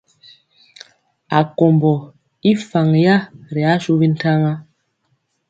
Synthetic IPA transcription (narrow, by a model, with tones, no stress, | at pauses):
a˨ko˨mbɔ˨ | i˦fa˨ŋja˦ɾi˨a˦su˦bi˦n˦ta˦ŋa˦